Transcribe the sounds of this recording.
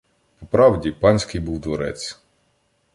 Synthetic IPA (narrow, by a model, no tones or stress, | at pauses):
pɔpɾɑwdʲipɑnʲsʲkɪjbuwd̪ʋɔɾɛ̰t͡sʲ